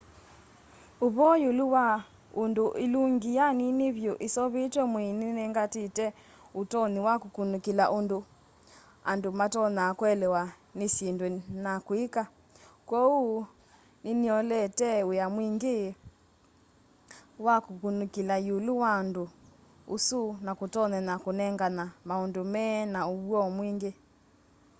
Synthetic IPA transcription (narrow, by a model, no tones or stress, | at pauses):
uβɔjuluwa | unduʔiluŋɡijaniniβjoʔisɔβitwɛmwininɛŋɡatitɛ | utɔniwakukunukilaʔundu | a̰ndumatɔnakwɛlɛwa | nisindwɛnakwika | kwɔu | niniɔlɛtɛojamwiŋɡe | wakukunukilajuluwando | usunakotɔnɛnakonɛŋɡanamaondomɛnaoβwɔmwiŋɡe